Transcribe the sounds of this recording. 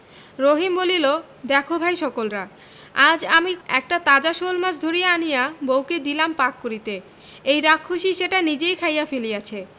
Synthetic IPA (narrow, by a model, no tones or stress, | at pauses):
ɾoɦimbolilo | d̪ɛkʰobʱajʃɔkolɾa | ad͡ʑamiɛ̰k̚ʈat̪ad͡ʑaʃolmaʃd̪ʱoɾijeanijabowked̪ilampakːoɾit̪e | ejɾakʰːoʃiʃeʈanid͡ʑejkʰajafelijat͡ɕʰe